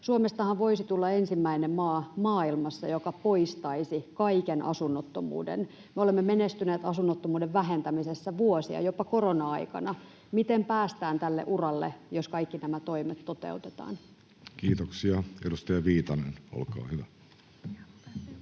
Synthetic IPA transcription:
suomest̪ɑhɑʋʋo̞isit̪ulːɑensimːæinemmɑːmɑːilmɑsːɑjokɑpoist̪ɑisikɑikenʔɑ̰sunːot̪ːomṵːdḛn | meolemːemenest̪yneːt̪ɑsunːot̪ːomuːdeʋʋæɦent̪æmisesːæʋuosiɑ̰jopːɑkoronɑɑ̰ikɑ̰nɑ | mit̪empæːst̪æːnt̪ælːḛʔurɑlːḛjoskɑikːinæmæt̪oimet̪tot̪ḛut̪e̥t̪ɑ̰ːn | kiːt̪oksiɑedust̪ɑjɑʋiːt̪ɑnḛno̰lkɑ̰ːhyʋæ

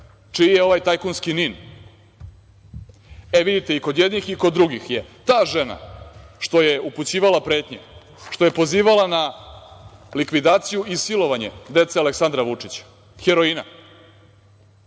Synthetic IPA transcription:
t͡ʂiijeo̞ʋajt̪ajkonskinin | eʋid̪it̪eiko̞d̪jed̪nixiko̞d̪ːɾuɡixjet̪aːʐe̞na̰ʂt̪o̞jeuput͡ɕiːʋalapɾe̞ːt̪ɲe | ʃt̪oje̞po̞ziːʋalana | likʋid̪aːt̪sijuisilo̞ʋaɲe̞̰d̪e̞t̪sealeksand̪ɾaʋut͡ʂit͡ɕḁ | xeɾo̞ina̰

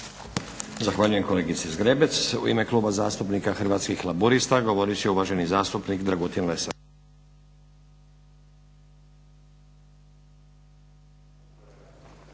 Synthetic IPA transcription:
zaxʋaːʎuje̞mko̞leɡit̪sizɡɾebet̪sṵḭme̞klˠuːbazaːst̪upnikaxrʋaːt̪skixlˠabuɾist̪aɡo̞ʋoɾiot͡ɕeuʋaʒe̞nizaːst̪upnikd̪ɾaɡot̪inlesa

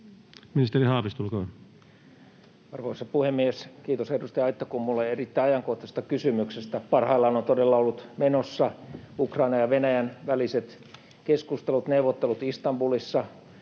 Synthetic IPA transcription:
minist̪erihɑːʋist̪ulkoːn | ɑrʋoisɑpuhemːieskiːt̪osedust̪ɑjɑit̪ːɑkummulːeerit̪ːæiɑjɑŋkoht̪ːˑɑse̥st̪ɑkysymyksest̪æpɑrhɑilːɑonont̪odelːɑolːut̪menosːɑukrɑinɑjɑʋenæjænʋæliset̪ | keskust̪elut̪neuʋot̪ːelut̪ist̪ɑmbulisːɑ

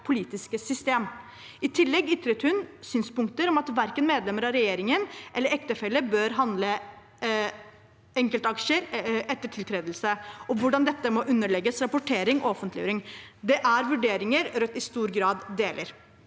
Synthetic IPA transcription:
pʰʊliːt̪ɪskəsʏst̪eːm | ɪt̪ʰɪlːɛɡʏt̪ɾət̪hʉnsyːnspʊŋk̚t̪əɾɔmɑt̪ʋæɾkənmeːd̪lɛmːəɾɑɾɛjeːɾɪŋənʔɛlːəɾɛkt̪əfɛlːəbøːɾɦɑnd̪lə | ɛŋkəlt̪ɑkʂəɾɛt̪ːəʈʰɪlt̪ʰɾeːd̪əlsəɔʋʊɖɑnd̪ɛt̪ːəmɔʔʉnːəɭɛɡːəsɾɑpʊʈʰeːɾɪŋɔɔfənt̪lɪjø̰ɾɪŋd̪ɛʔæɾʋʉɖeːɾɪŋəɾɾœt̪ːɪst̪uːɾɡɾɑːd̪d̪eːlʔəɾ

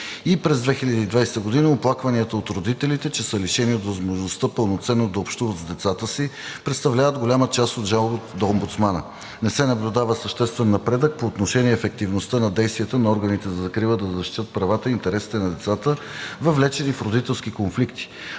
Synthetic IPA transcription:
ipɾɛzd̪vɛxilʲəd̪iːd̪vajst̪əɡod̪inəoplˠakvɐniət̪əot̪ɾod̪it̪ɛlit̪ɛt͡ʃɛsəliʃɛniot̪vɐzmoʒnost̪əpəlˠnot̪sɛnːod̪ɐopʃt̪uvət̪zd̪ɛt̪sat̪əsipɾɛt̪st̪ɐvlʲavəd̪ɡolʲamət͡ʃast̪od̪ʒalˠbot̪d̪ɐombut̪smanə̰ | nɛsɛnɐblʲʊd̪avəsəʃt̪ɛst̪vɛnːɐpɾɛd̪ək̚poːt̪noʃɛniɛːfɛk̚t̪ivnost̪ənɐd̪ɛjst̪viət̪ənɐɔɾɡənit̪ɛzɐzɐkɾivˠəd̪ɐzɐʃt̪it̪ət̪̚pɾɐvat̪əint̪ɛɾɛsi̥t̪ɛnɐd̪ɛt̪sat̪əvɐvlɛt͡ʃɛnifɾod̪it̪ɛlˠskikonflikt̪i̥

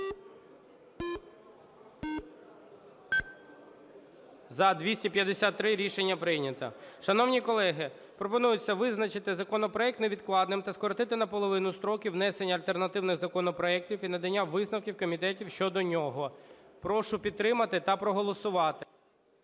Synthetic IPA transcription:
zɐd̪ʲʋʲisʲtʲipʲjɐd̪esʲat̪ːɾɪɾʲiʃenʲːɐpɾɪjnʲɐt̪ɐ̰ʃɐnɔwnʲikɔlˠɛɦɪ | pɾɔpɔnujʊt͡sʲːɐʋɪznɐt͡ʃɪt̪ɪzɐkɔnɔpɾɔɛkt̪neʋʲid̪̚klˠɑd̪nɪmt̪ɐskɔɾɔt̪ɪt̪ɪnɐpɔlˠɔʋɪnʊst̪ɾɔkʲiwnɛsenʲːɐlʲt̪ernɐt̪ɪwnɪɣzɐkɔnɔpɾɔɛktʲiwinɐd̪ɐnʲːaʋɪznɐwkʲiwkɔmʲit̪ɛtʲiwʃt͡ʃɔd̪ɔnʲɔɦɔpɾɔʃʊpʲid̪̚t̪ːɾɪmɐt̪ɪt̪ɐpɾɔɦɔlˠɔsʊʋɑt̪ɪ

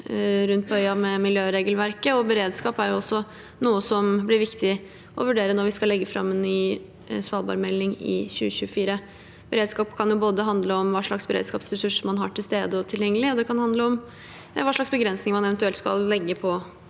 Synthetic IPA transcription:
ɾʉnt̪̚pɔœʏɑmɛmɪljøːɾeːɡəlʋæɾkəɔbəɾeːd̪skɑːpæɾjʊɔsːɔ | nuːəsɔmblɪɾʋɪkt̪ɪ | ʔɔʋʉɖeːɾənɔʋɪskɑlːɛɡːəfɾɑ̰mːɛnːyː | sʋɑːlbɑ̰ɾmɛlːɪŋɪ̰çʉ̰ːəɕʉːəfiːɾə | b̥əɾeːd̪skɑːpkʰɑnjʊboːd̪əɦɑnd̪ləɔmʋɑːʂɭɑksbəɾḛːd̪skɑːpsɾɛsʉʂmɑnɦɑːʈʰɪlst̪eːd̪əɔt̪ʰɪljɛŋːəlɪɔd̪ɛkʰɑnhɑnd̪ləɔm | ʋɑːʂɭɑksbəɡɾɛnsnɪŋmɑnɛʋɛnt̪ʉɛlt̪skɑ̰lːɛɡːəpʰɔ

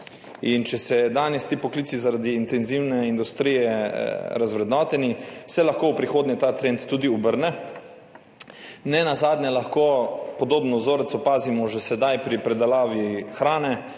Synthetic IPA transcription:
int͡ʃɛsɛd̪aːnjɛst̪iːpɔkliːt̪sizaɾad̪iːnt̪ɛnziwnɛind̪ust̪ɾiːjɛɾazʋɾɛd̪nɔːt̪ɛnisɛlaxkoːwpɾixoːd̪ɲɛt̪aːt̪ɾeːnt̪ːuːd̪iubəɾnɛ | nɛnazaːd̪nʲɛlaxkoːpɔd̪oːbnɔzoːɾɛt̪sɔpaːzimɔʒɛsɛd̪ajpɾipɾɛd̪alaːʋixɾaːnɛ

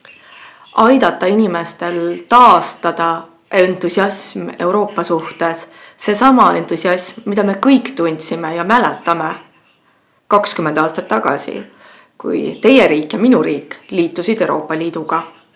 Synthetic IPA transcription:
ʔɑjd̪̥ɑt̪ːˑɑinʲime̞st̪e̞lt̪ɑːst̪ɑd̪̥ɑ | ʔent̪ˑusiɑsme̞uwɾo̞ːpˑːɑsuht̪e̞s | se̞sɑmɑe̞nt̪ˑusʲiɑsmːid̪̥ɑme̞kɤjkt̪unʲd̪sime̞jɑmælet̪ːˑɑme̞ | kɑkskymːend̪̥ɑːst̪ɑt̪ːɑɡ̥ɑ̰sḭ | kṵjt̪e̞je̞ɾiːkːˑjɑminuɾiːkːˑliːt̪ːˑusid̪e̞wɾʔo̞̰ːpːˑɑlʲiːd̪uɡ̥ɑ

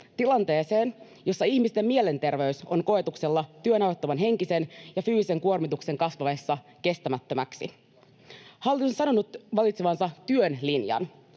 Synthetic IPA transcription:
t̪ilɑnt̪e̞ːse̞ːn | jo̞sːɑiçmist̪e̞mːiele̞nt̪e̞rʋe̞yso̞nko̞e̞t̪ukse̞lːɑt̪yønɑwot̪ːɑʋɑnɦe̞ŋkise̞njɑfyːsise̞ŋkuo̞rmit̪ukse̞ŋkɑsʋɑʋe̞sːɑke̞st̪æmæt̪ːømæksḭ | hɑolːisonsɑno̞nut̪ʋɑlit̪seʋɑnsɑt̪yønlinjɑ̰n

